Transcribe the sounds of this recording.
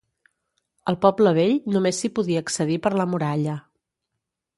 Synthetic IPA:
əlˠpɔbləβ̞eʎnumesːipuðiəːksəðipəɾləmuɾaʎə

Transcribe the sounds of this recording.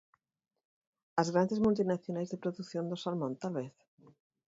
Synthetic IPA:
azɣɾand̪ezmult̪inaθjonajzðepɾoðuθjõnd̪osalmõnt̪alβeθ

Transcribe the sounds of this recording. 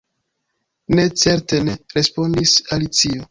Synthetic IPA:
ne̞t͡se̞ɾte̞ne̞ɾe̞spo̞ndisalit͡sio

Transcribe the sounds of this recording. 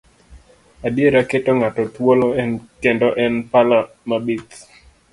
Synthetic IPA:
adjeɾaketoŋatɔt̪woloɛnkendɔʔɛnpala | mabit̪

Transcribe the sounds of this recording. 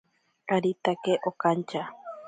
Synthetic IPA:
kaɾit̪akeʔokant͡ʃa

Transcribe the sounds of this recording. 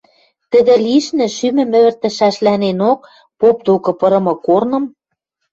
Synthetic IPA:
t̪ə̆d̪ĕliʃnɘ̆ʃymɘ̆mɘ̆βɘ̆rt̪ɘ̆ʃæʃlænenok̚ | pop̚d̪okɤ̆pɤ̆ɾɤ̆mɤ̆kornɤ̆m

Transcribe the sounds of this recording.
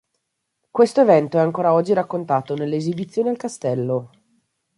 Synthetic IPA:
kwest̪oevɛnt̪oɛaŋkoːɾaɔd͡ʒːiɾakːont̪aːt̪onelːeːzibit̪sːjoːnialkast̪ɛlːo

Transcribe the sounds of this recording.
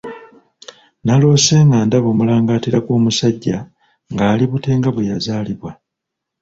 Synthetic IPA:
nalo̞ːse̞ːŋɡaːndaβo̞ːmulaːŋɡaːtiɾakoːmusaɟːa | ŋɡaːliβute̞ːŋɡaβwejazaːliβwa

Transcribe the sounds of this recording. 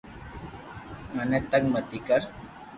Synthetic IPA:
ŋanet̪ak̚mat̪ɪkaɾ

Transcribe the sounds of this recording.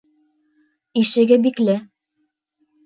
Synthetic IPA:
iʃɘ̆ɡɘbiklɘ

